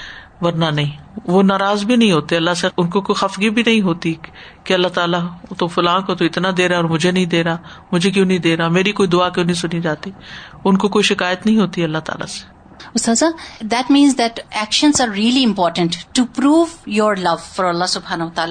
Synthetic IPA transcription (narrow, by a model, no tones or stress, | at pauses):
ʋɐɾnanɐɦĩːʋonaːɾaːzbʱinɐɦĩɦoːt̪eɐlːaseʊnkokoːixɐfɡibʱinɐɦĩɦoːt̪i | keɐlːaːt̪aːlat̪ofʊlãːkot̪oɪt̪nad̪eːɾaɔːɾmʊd͡ʒʱenɐɦĩd̪eːɾaːmʊd͡ʒʱek̬jõːnɐɦĩd̪eːɾaːmeːɾikoːid̪ʊaːkjõːnɐɦĩsʊnid͡ʒaːt̪iʊnkokoːiʃɪkaːjət̪nɐɦĩɦoːt̪iɐlːat̪a̰ːla̰se̥ | ʊst̪aːd̪zad̪ɛʈmĩːnzd̪ɛʈɛkʃə̃nzaːɾɾiːəliɪ̃mpɔːɾʈə̃ɳʈʈːupɾuːʋjɔːɾlɐʋfɔɾɐlːasʊbɦaːnoʋət̪aːla